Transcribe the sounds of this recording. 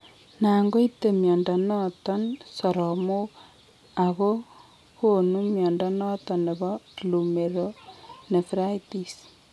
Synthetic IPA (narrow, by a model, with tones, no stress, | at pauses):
na˨ŋɡo˦i˦te˨mjɔ˨nda˨nɔ˦tɔ˦nsɔ˨ɾɔ˨mo˦ | a˨ɣo˦ | ko˦nu˦mjɔ˨nda˨nɔ˦tɔ˨ne˨βɔ˦lu˨me˨ɾo˦ne˨fɾa˦iti˨s